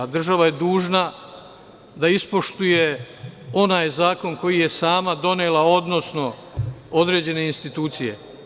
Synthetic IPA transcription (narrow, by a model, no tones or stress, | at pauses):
d̪r̩ʒaʋaje̞d̪uːʒna | d̪aispo̞ʃt̪uje̞o̞naːjzaːko̞nko̞jije̞saːmad̪o̞neːlao̞d̪no̞sno̞od̪ɾe̞d͡ʑe̞ne̞inst̪it̪uːt̪sije̞̰